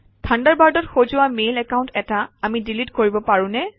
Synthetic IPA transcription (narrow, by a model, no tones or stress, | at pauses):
tʰandaɹbaɹdɔtxozʊamelɛkaʊ̃ntɛtaamidilitkoɹibɔpaɹʊ̃nɛ